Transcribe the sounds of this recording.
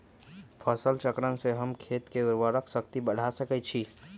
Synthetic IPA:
pʰəsəlt͡ʃəkɾənseɦəmkʰet̪keuɾʋəɾəksəkt̪ibəɽ̤ʱasəkɛt͡ʃʰi

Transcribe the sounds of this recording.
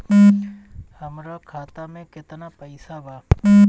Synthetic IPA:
həmɾaːkʰaːt̪amẽkɪt̪naːpəɪsabaː

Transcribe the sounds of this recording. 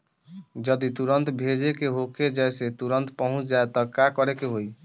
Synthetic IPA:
d͡ʒəd̪it̪uɾənt̪bʱed͡ʒekeɦokʰed͡ʒɛjset̪uɾənt̪pɔɦũt͡ʃʰd͡ʒaet̪ɔkakɔɾekeɦoi

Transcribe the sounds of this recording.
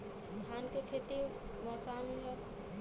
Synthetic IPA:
st̪ʰaːnkekʰet̪iɾ | mɐsan

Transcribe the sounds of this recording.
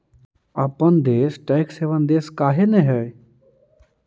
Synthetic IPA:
əpənd̪eːsʈɛːkseʋənd̪eːskaːɦenẽɦɛː

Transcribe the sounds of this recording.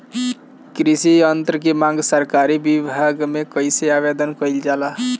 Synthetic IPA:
kɾisiənt̪ɾəkemãŋɡsəɾkaɾibibʱaɡmekəjseabed̪ənkəjld͡ʒala

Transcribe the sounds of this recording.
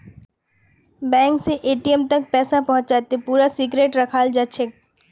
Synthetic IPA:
bɛ̃ːŋkseʔeːʈijəmt̪ɐk̚pɛːsapɐɦʊ̃t͡ʃd͡ʒaːt̪epuːɾasiɡɾeːʈɾɐkʰaːld͡ʒaʃʰek̚

